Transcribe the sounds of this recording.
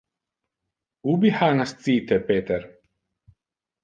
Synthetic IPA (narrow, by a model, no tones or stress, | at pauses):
ubiħanast̪t͡siːt̪ɛpeːt̪ɛɾ